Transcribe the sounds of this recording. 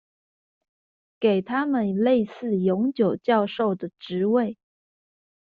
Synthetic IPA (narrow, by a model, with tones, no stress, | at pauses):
ke˨˩ɪt̪ʰa˥mə˨nle˥˧ɪsɹ̩˥˩jʊ˧˥ŋt͡ɕjo˨˩ʊt͡ɕjɑ˥˧ʊʂo˥˩ʊd̪ə˩ʈ͡ʂɻ̩˧˥we˥˩ɪ